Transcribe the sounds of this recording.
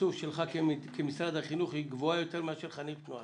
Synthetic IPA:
uvʃelχakeikemisʁad̪haχinuχhiɡvoajo̞t̪e̞ʁmeaʃeʁχanit̪nua

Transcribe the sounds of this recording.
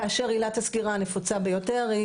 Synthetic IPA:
aʃe̞ʁilat̪haskiʁanefut͡sabejote̞ʁi

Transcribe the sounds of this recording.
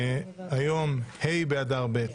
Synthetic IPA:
ajomhejbead̪aʁbet

